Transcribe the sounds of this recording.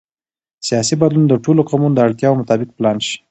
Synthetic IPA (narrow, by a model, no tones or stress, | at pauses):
sijɑsibad̪lund̪əʈoloqɑmund̪əaɽt̪jɑwomʊt̪ɑbɪq̚plɑnʃi̥